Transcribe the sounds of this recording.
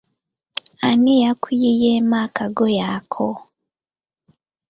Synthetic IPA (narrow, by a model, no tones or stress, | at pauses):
anejakʰujijeːmaːkaɡojaːkʰo